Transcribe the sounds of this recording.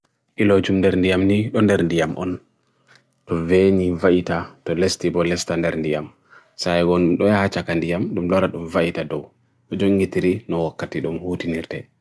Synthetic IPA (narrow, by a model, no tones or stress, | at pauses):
ʔilɔd͡ʒumndɛɾndijamniɗɔndɛɾndijamʔɔ̰n | tɔvenivaʔitatɔlestibɔlɛstandɛɾndijam | sajɡɔnumɗɔjahat͡ʃakandijamɗumlɔɾaɗumvaʔitadɔw | ɗɔd͡ʒoŋɡitiɾinɔwakːatiɗumhuːtiniɾtɛ